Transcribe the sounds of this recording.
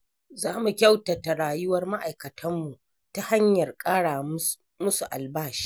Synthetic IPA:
zaː˦mu˨kʲa˦wta˨ta˨ɽaː˨jʊ˦wɐ˦rma˦ʔa˨jkɐ˨tʰɐ˦mːu˨ | ta˦ha˦ɲjɐ˨rkʼaː˦ɽaː˨ | mʊ˦su˨ʔa̰˨lbaː˦˨ʃi̥ː˦ʔ

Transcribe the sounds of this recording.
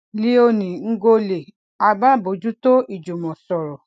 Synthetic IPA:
lĩ˦o˧nĩ˨ŋ̩˦ɡo˧le˨ | a˨˧ba˦˨bo˨˦d͡ʒu˦to˦i˨d͡ʒu˨mɔ̃˨sɔ˨ɾɔ˨

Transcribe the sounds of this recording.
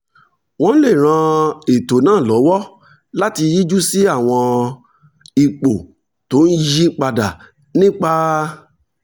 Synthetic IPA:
w̃ɔ̃˦le˦˨ɾ̃ã˧e˨to˨nãː˦˨lɔ˨˦wɔ˦ | la˦ti˧ji˦d͡ʒu˦si˦a˦˨w̃ɔ̃˧ | i˨k͡po˨ | to˨˦n̩˦ji˦k͡pa˧da˨ | nĩ˦k͡pa˦

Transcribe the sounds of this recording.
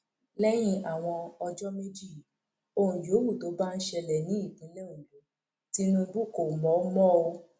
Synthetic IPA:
lɛ˦j̃ĩ˦ʔa˨w̃ɔ̃˧ɔ˧d͡ʒɔ˦me˦d͡ʒi˦˨ | o˧hũ˨jo˨˦wu˦˨to˨˦ba˦n̩˦ʃɛ˧lɛ˨nĩ˨˦i˦˨dĩ˨˦lɛ˦˨ũ˨lo˨˦ | ti˧nũ˧˦bu˦ko˨mɔ̃˨˦mɔ̃˦o˧

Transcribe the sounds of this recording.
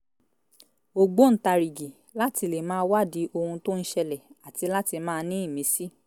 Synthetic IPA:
o˨ɡ͡bo˦n̩˨˦ta˧ɾi˨ɡi˨ | la˦ti˧le˨mãː˦wa˦˨di˨˦ʔo˧hũ˧to˦n̩˦ʃɛ˧lɛ˨a˨ti˧la˦ti˧mãː˦˧nĩ˦i˦˨mĩ˨˦si˦

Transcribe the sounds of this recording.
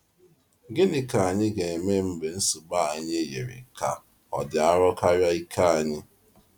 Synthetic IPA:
ɡɪ˦nɪ˨ka˨a˨ɲɪ˦ɡe˨e˨me˦m̩˦be˨n̩˦su˨ɡ͡ba˦˨a˨ɲɪ˦je˨ɾɪ̰˨ka˨ | ɔ̰˨dɪ˨a˦ɾɔ˦ka˦ɾja˦i˦kʰa˦a˨ɲɪ˦

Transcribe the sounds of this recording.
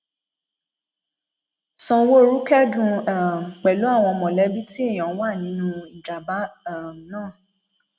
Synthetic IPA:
sɔ̃˧wo˦˨ɾu˦kɛ˦dũ˧a˨m˨k͡pɛ˨lu˨˦a˦˨w̃ɔ̃˧ɔ˧mɔ̃˨lɛ˨˦bi˦ti˦e˦˨j̃ɔ̃˨˦wa˦˨nĩ˨˦nũ˦i˨d͡ʒa˨ba˨˦a˨m˨nãː˦˨

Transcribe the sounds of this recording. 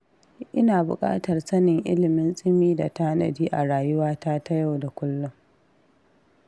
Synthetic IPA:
ʔɪ˦naː˨bʊ̰˨kʼa̰ː˦tɐ˨rsɐ˦nɪ˨ŋʔɪ̰˦lɪ˨mɪ˦nsʼɪ˦miː˦da̰˨taː˦nɐ̰˨diː˦ʔa˨ɾaː˨jʊ˦waː˦ta˦tʰa˦ja˦˨wda˨kʷʊ˦lːʊ˦ŋ

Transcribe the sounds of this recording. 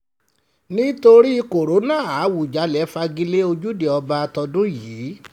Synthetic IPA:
nĩ˦to˧ɾi˦˧ko˨ɾo˨˦nãː˦˨a˨˦wu˨d͡ʒa˨˦lɛ˨˦fa˧ɡĩ˧le˦o˧d͡ʒu˦de˨ɔ˧ba˧tɔ˧dũ˦jiː˨˦

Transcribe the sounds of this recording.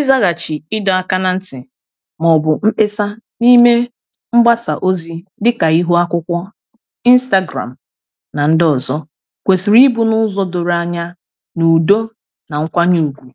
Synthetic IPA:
ɪ˦za˦ɣa˨t͡ʃi˨ɪ˦dɔ˨a˨ka˦na˨n̩˦tɪ˨ | mɔ˨bʊ˨m̩˦e˦sa˦ni˦me˦ | ŋ͡m̩˦ɡ͡ba˦sa̰˨ʔo˦zi˦dɪ˦ka˨i˦ɦu˦a˦kʷʊ˦kʷɔ˦ | i˦n̩˦sta˦ɡɾa̰˨m̩˨ | na˨n̩˦dɔ˨zɔ˦ | kʷe˨si˨ɾi˦bu˦nʊ˦zɔ˦do˨ɾa˨ɲa˦ | nu˨do˦ | na˨ŋ̩˦kʷa˦ɲu˦˨u˨ɡʷu˨

